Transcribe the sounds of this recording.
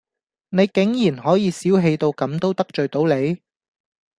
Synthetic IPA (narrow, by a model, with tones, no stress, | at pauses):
ne˨˧jkɪ˨˥ŋjiː˨˩nɦɔː˨˥jiː˨˧siː˨˥wɦe˧jt̪o˧wkɐ˨˥mt̪o˥wt̪ɐ˥k̚t͡ʃɵ˨ɥt̪o˨˥wle˨˧j